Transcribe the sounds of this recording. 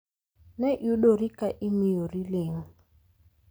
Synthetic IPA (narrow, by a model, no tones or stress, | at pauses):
nɛʔjuɗoɾikaʔimijoɾileŋ̩